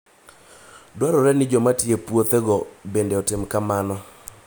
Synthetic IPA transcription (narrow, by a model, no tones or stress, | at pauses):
dwaɾɔɾɛnɪd͡ʒɔmatiepwot̪ɛɡɔbendeɔtɪmkamanɔ